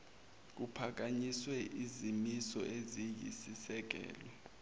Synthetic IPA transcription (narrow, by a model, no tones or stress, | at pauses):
k̬upʰak̬aɲiswɛʔizimisɔʔezijḭsisɛk̬ɛ̰ːlɔ